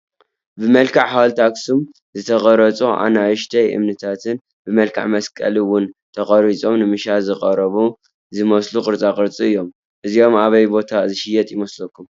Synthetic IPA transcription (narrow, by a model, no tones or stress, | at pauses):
bɨmɐlkʰaʕħalt̪ʰaksum | zɨt̪ʰɐɣʼɐɾɐt͡sʼuʔa̰naʕɨʃt̪ʰɐjʔɨ̰mnɨt̪ʰat̪ʰɨn | bɨmɐlkʰa̰ʕmɐskʼɐ̰liwʊnt̪ʰɐχʼɐɾit͡sʼo̞mnɨmɨʃazɨqʼɐɾɐβu | zɨmɐslukʼɨɾt͡sʼakʼɨɾt͡sʼiɨjːo̞m | ʔɨzio̞maβɐjbo̞t̪ʰazɨʃɪjɛt̪ʼjɪmɐslɐkʰːum